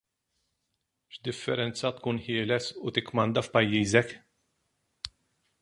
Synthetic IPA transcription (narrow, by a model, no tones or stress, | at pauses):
ʃd̪ɪfːɛɾɛnt͡sːɐt̪kuːnħɪːlɛsut̪ɪkːmɐnd̪ɐfpɐjːiːzɛk